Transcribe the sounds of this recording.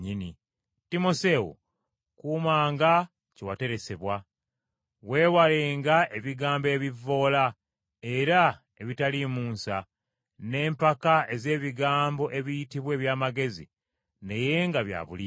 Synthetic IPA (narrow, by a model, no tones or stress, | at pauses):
ɲini | timo̞se̞wṵ | kuːmaːŋɡa | cewate̞ɾe̞se̞βwa | we̞ːwaleːŋɡaʔe̞βiɡaːmbe̞ːβivːo̞ːla | e̞ɾa | e̞βitalimuːnsa | ne̞ːmpakae̞ze̞ːβiɡaːmbo̞ʔe̞βijitiβwe̞ːβjaːmaɡe̞zḭ | neje̞ŋɡaβja̰βṵli